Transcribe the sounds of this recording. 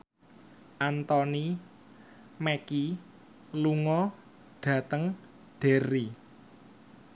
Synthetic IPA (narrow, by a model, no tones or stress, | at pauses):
ʔant̪ɔni | meki | luŋɔ | ɖ̥ä̤t̪əŋ | ɖ̪̥e̤ɾi